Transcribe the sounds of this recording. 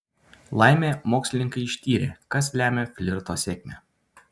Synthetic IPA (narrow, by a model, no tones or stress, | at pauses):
lˠɑɪmʲeːmoːksʲlʲɪnʲɪŋkɐɪɪʃʲt̪ʲiːɾʲḛːkɐslʲæːmʲefʲlʲɪɾt̪oːsʲeːkʲmʲɛː